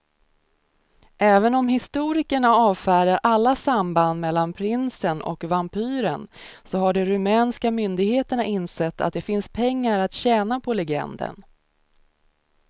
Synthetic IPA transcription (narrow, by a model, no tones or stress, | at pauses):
ʔɛːvənɔmɦɪst̪uːɾɪkəɳaɑːvfæːɾaɾʔalːasamband̪mɛlːanpʰɾɪnsənʔɔ̰kvampʰyːɾə̰nsɔɦaɖɛɾɵmɛːnskamʏnd̪ɪɡheːt̪əɳaʔɪnsɛt̪ːa̰t̪̚d̪ɛfɪnspʰɛŋːaɾat̪ɕɛːnapʰɔlɛɡɛ̰nd̪ə̰n